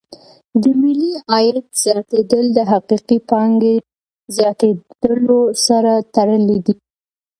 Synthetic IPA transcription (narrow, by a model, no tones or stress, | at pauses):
d̪əmɪliɑjat̪z̥jɑt̪ed̪əld̪əɦaqiqipɑŋɡe | zjɑt̪ed̪̥əlosaɾat̪aɽəled̪i